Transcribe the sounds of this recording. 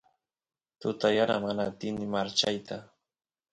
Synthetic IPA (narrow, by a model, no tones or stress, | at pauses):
t̪ʊt̪ajaɾamanaːt̪ɪnɪmaɾt͡ʃajt̪ʰa